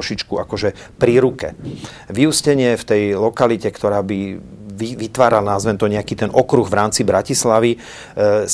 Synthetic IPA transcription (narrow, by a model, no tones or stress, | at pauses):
ʃit͡ʃkuakɔʒɛ | pɾiɾukɛ̰ | ʋiuscɛɲɪɛft̪ɛjlɔkalicɛkt̪ɔɾaːbi | iʋit̪ʋaːɾalnazʋɛnt̪ɔɲɛakit̪ɛnʔɔkɾuɣʋɾaːmt͡sibɾacislaʋi